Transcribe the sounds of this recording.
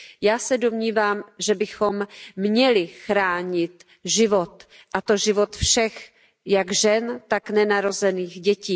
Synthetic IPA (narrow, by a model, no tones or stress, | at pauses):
jaːsɛdo̞mɲiːvaːmʒɛbɪxo̞mːɲɛlɪxɾaːɲɪt̪ | ʒɪvot̪ | ʔat̪o̞ʒɪvot̪fʃɛx | jaɡʒɛnt̪aknɛnaɾozɛniːxɟɛciː